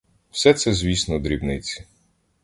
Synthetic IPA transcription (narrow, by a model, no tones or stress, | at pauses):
w̥sɛt̪sɛzʲʋʲisnɔd̪ɾʲibnɪt͡sʲi̥